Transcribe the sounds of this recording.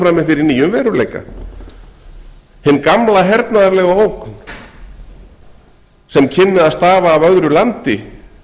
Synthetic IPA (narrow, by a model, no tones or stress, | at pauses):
fɾaːmɪfɪɾɪɾniːjʏmvɛːɾʏlḛjka̰ | hɪnːkamlaɦɛɾt̪naðaɾlɛɣaoːwkn | sɛmcʰɪnːɪðaðst̪aːvaːvœðɾʏlant̪ɪ